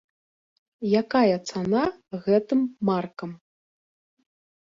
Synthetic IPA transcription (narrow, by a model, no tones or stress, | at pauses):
jakajɐt̪sanaɣɛt̪ɨmːarkɐm